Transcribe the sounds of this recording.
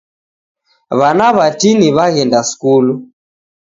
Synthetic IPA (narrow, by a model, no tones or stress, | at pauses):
βanaβatiniβaɣɛndaskulu